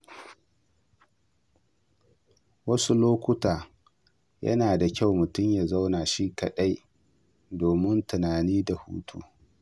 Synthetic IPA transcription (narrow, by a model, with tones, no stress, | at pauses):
wɐ˦su˦loː˦kʷʊ˦taː˨ | jɐ̰˦naː˨da˨kʲa˦˨wmʊ˨tʊ˦mja˨za˦wnaː˨ʃi˦kɐ˨ɗɐ˦j | doː˨mɪ˦ntʊ˨naː˨niː˦da˨hṵː˦tʰṵː˦